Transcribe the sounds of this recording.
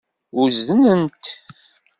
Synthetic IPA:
uzənənt̪

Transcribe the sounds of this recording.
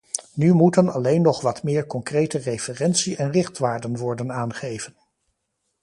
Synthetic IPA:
nymutənɑlejnːɔχʋɑtmɪːɹkɔŋkrejtərejfərɛnsiɛnrɪχtʋaːɹdənʋɔɹdənaːnχejvən

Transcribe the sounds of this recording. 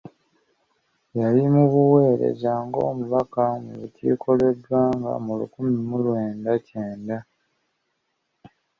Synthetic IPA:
jalimuβuwe̞ːɾe̞̰ɟaːŋɡo̞̰ːmuβakanḭβutḭːkʰo̞le̞dwaːŋɡa̰mulṵkumimulwe̞ːndaceːnda

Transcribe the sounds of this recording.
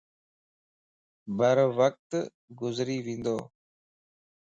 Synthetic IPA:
bəɾʋək̚t̪ | ɡʊzɾiːʋĩnd̪oː

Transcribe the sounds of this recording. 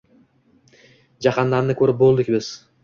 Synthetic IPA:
d͡ʒɑqʰɑnd̪aɾmnɪkʲʰɵɾɪp̚bolˠd̪ɪkʲbɪz̥

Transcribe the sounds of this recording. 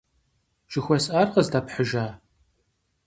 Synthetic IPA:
ʒ̥ɪxʷɔsaːrqəzdaːpħəʒaː

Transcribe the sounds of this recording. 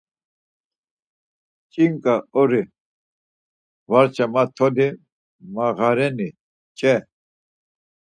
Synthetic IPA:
t͡ʃʼiŋkʼaɔɾi | vaɾt͡ʃʰamat̪ʰɔd̪i | maɣaɾɛni | t͡ʃʼɛ

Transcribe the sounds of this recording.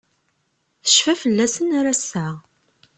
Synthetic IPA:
θə̥ʃfæfəlːæsənaɾasːəʁ

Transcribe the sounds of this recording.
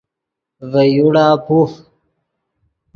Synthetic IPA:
vejuɽaːpuh

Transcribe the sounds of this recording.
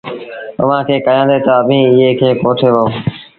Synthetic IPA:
əʋ̤ãːkʰeːkəjãːd̪eːt̪əəbʱĩːɪɦeːkʰeːkoːʈʰeːʋoː

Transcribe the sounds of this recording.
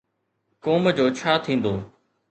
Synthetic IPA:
kɔːmd͡ʑoːt͡ɕʰaːt̪ʰĩːnd̪oː

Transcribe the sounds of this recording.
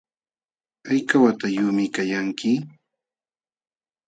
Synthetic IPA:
ajkawat̪ajʊmɪkajaŋkɪ

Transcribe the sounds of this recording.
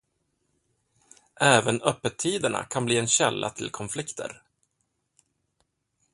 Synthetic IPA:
ʔɛːvənœpːət̪ʰːiːd̪əɳa̰kʰanbliːɛnɕɛlːa̰t̪ʰɪlkʰɔnflɪkt̪ʰə̰ɾ

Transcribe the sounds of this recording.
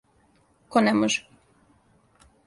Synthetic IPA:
konɛmoʒɛ̥

